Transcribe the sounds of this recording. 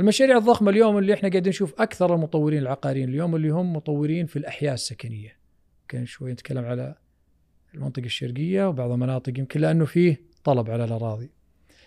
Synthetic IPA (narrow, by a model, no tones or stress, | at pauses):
ʔɪlmaʃaːɾiːʕɨðˤːɑxmaljoːmɪlːiɪħnaɡaʕd̪nʃuːfʔakθɑɾˤlmʊt̪ˤɑwːɪɾiːnɪlʕaqɑːɾiːnɪljoːmɪlːihʊmːʊt̪ˤɑwːɪɾiːnfilʔaħjaːʔsːakanɪjːa | kanʃwajːnɪt̪kʰalːamʕala | lmɑ̰nt̪ˤɨqɑʃːɑ̰ɾɡɪjːawbɑʕðˤɪlmanɑːt̪ˤɨqjɪmkɪnlːɪʔanːufiːh | t̪ˤɑlɑbʕalalʔɑɾˤɑːðˤi